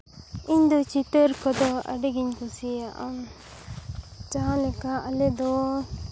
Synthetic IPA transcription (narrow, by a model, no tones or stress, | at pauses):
iɲd̪ɔt͡ʃit̪əɾkɔd̪ɔa̰ɖeɡiɲkɔsiaʔa | t͡ʃaãlɛkaalɛd̪ɔ